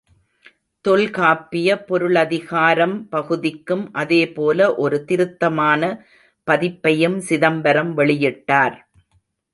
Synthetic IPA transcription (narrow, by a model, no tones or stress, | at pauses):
t̪ɔlkaːpːɪjɐpɔɾɯɭɐðɪɣaːɾɐmpɐɣɯðɪkːɯmʔɐðeːpoːlɐʔɔɾɯt̪ɪɾɯt̪ːɐmaːnɐ | pɐðɪpːɐjɯmsɪðɐmbɐɾɐmʋɛɭɪjɪʈːaːɾ